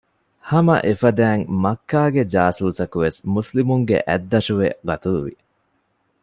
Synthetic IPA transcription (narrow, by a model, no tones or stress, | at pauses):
hɐmɐ̰ʔefɐd̪æːŋmɐkːaːɡed͡ʒaːsuːsɐkuʋesmuslimuŋɡḛʔæd̪ːɐʂuʋḛɡɐt̪uluʋḭ